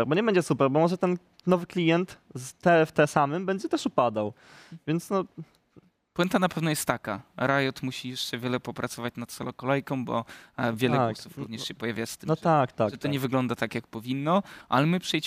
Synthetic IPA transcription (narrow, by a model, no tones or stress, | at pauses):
ɾbɔɲɛbɛɲd͡ʑɛsupɛɾbɔmɔʐɛt̪ɛn | nɔvɘklʲijɛnt̪zt̪ɛft̪ɛsamɛmbɛɲd͡ʑɛt̪ɛʂupad̪aw | vʲjɛnt̪snɔ | pwɛnt̪anapɛvnɔjɛst̪ːakaɾajɔt̪muɕijɛʂt͡ʂɛvʲjɛlɛpɔpɾʔat̪sɔvat͡ɕnat̪sɔlɔkɔlɛjkɔ̃mbɔ̰vʲjɛlɛssufɾṵvɲɛʂɕɛpɔjavʲjast̪ɘmnɔt̪akt̪aʐɛt̪ɔɲɛvɘɡlɔnd̪at̪akjak̚pɔvʲinːɔʔa̰lɛmɘpʂɛjt͡ɕ